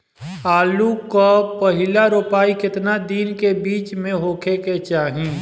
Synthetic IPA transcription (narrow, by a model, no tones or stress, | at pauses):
aːlukapɐɦɪlaɾoːpaːikɪt̪nad̪iːnkebiːt͡ʃmẽɦoːkʰeket͡ʃaːɦĩː